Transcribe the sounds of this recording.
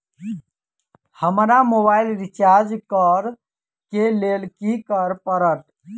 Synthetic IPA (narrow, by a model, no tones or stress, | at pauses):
həmɾamobailɾit͡ʃaɾd͡ʒkəɾ | kelelkikəɾpəɾəʈ